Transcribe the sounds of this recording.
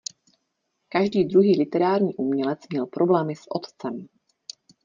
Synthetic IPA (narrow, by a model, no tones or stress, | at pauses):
kaʒdiːd̪ɾuɦiːlɪt̪ɛɾaːɾɲiːʔumɲɛlɛt͡smɲɛlpɾʔoblɛːmɪsʔot̪t͡sɛm